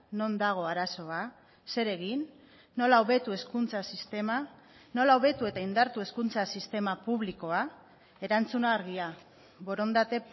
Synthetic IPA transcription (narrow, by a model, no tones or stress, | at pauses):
no̞nd̪aɣ̞o̞aɾaso̞a | se̞ɾe̞ɣinː | o̞laoβe̞t̪ue̞skunt͡sasist̪e̞ma | no̞laoβe̞t̪ue̞t̪aind̪aɾt̪ue̞skunt͡sasist̪e̞mapuβliko̞a | e̞ɾant͡sunaːɾɣia | βo̞ɾond̪at̪e̞